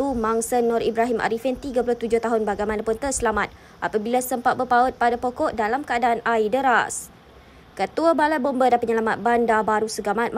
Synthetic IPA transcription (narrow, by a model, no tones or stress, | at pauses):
umaŋsənɔɾibɾaɦimʔa̰ɾifɪnt̪iɡap̬ulʊht̪ud͡ʒʊht̪aɦʊnbaɡajmanapʊnt̪ərsəlamat̪̚ | ʔapabilasəmpat̪̚bərpaut̪̚padapokɔʔdalamkəadaanaidəɾa̰s | kət̪uabalajbombadapəɲəlamat̪̚bandabaɾusəɡamãt̪̚m